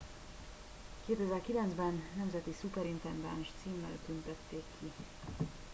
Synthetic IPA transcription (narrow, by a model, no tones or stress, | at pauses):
keːd̪øːvɛlkilɛnzbɛnːɛmzɛt̪isukɛɾint̪ɛnd̪ɛnʃt̪siːmːɛ̰lt̪ynt̪ɛt̪ːeːkʰːi